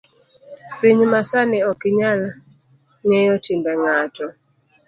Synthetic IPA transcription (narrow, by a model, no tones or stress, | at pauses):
piɲmasanɛɔkiɲal | ŋɛjɔtimbɛŋatɔ